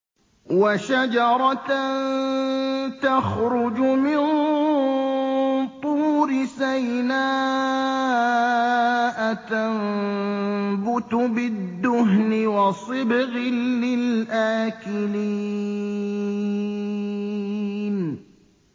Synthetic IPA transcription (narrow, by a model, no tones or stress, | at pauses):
waʃad͡ʒɑɾˤɑn | t̪axɾʊd͡ʒʊmɪn | t̪ˤuːɾɪsajnaː | ʔat̪amm | bʊt̪ʊbɪd̪ːʊɦnɪwɑsˤɨbɣɪːɪlʔaːkɪli | n